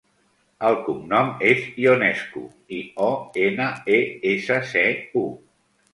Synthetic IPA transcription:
əlˠkumnɔmezionɛskṵ | iɔenəeesəseu

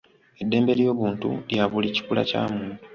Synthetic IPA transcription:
e̞dːe̞ːmbe̞ljo̞ːβuːntṵljaβulici̥kula̰ca̰ːmuːntu̥

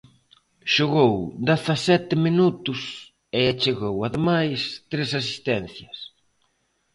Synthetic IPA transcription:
ʃoɣowd̪eθasɛt̪ɪminut̪ʊs | ɪat͡ʃeɣowaðemajst̪ɾesas̬i̥st̪ɛn̟θjɐs

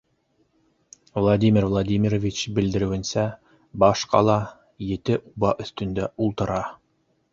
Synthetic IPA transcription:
vlˠad̪ʲimʲirvlˠad̪ʲimʲiɾovʲit͡ɕbɘ̆ld̪ɘ̆ɾɘ̆wɘ̆nsæ | bɑʃqɑ̰lˠɑ | jɘ̆t̪ɘʔubɑʔɵ̆θt̪ɵ̆nd̪æulˠt̪ɤ̆ɾɑ

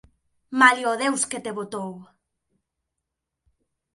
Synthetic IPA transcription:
maljoðewsket̪eβot̪ow

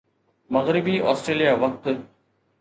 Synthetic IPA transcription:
mɐɣɾɪbiːʔɔ̰ːsʈɾeːlijaːʋɐk̚t̪

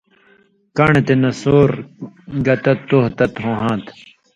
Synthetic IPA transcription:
kɐɳet̪enɐsoːɾɡɐt̪ɐt̪ːoht̪ɐt̪ɦõːɦãːt̪

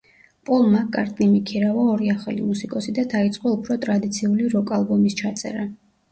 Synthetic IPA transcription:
pʼɔlˠmakʼa̰ɾt̪ʼnimikʰiɾavaɔɾiaχalḭmusikʼɔsid̪ad̪ait̪sʼqʼɔupʰɾɔt̪ʼɾad̪it̪sʰiuliɾɔkʼalˠbɔmist͡ʃʰat̪sʼɛ̰ɾa

